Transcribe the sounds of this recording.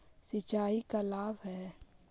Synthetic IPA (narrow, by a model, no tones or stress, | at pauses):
sɪt͡ʃaːikalaːbɦɛː